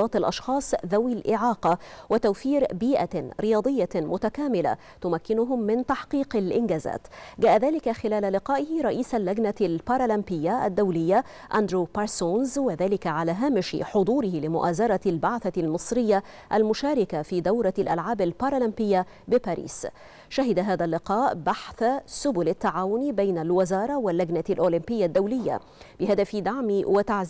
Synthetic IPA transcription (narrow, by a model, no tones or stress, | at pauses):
ɑːt̪alʔɑʃxɑːsˤðawilʔɪʕɑːqɑwɪt̪awfiːɾbiːʔaɾɪjɑːd̪ˤɨjːamʊt̪akaːmɪla̰ | t̪ʊmakːɪnʊɦʊmːɪnt̪ɑħqiːqalʔɪnɡaːza̰ːt̪ɡaːʔaðaːlɪkaxɪlaːlalɪqɑːʔɪhɪɾˤɑʔiːsalːaɡnalpɑːɾˤalambɪjːaʔa̰d̪ːawlɪjːa | ʔand̪ɾuːpɑɾsoːnzwaðaːlɪkaʕalaːɦaːmɪʃɪ̰ħʊd̪ˤuːɾɪhɪlɪmʊʔaːzɑɾˤɑlbaʕθalmɨsˤɾɪjːa | ʔalmʊʃaːɾˤɪkafiːd̪awɾˤɑlʔa̰lʕaːbalpɑɾˤɑlɪmpɪjːa | bɪpaːɾḭːs | ʃaɦɪd̪aɦaːðalːɪqɑːʔbaħθasʊbʊlat̪ːaʕaːwʊnbajnalwazɑːɾˤɑwalːad͡ʒnalʔoːlɪmpɪjːad̪ːawlɪjːa̰ | bɪhad̪afid̪aʕmiwat̪aʕziː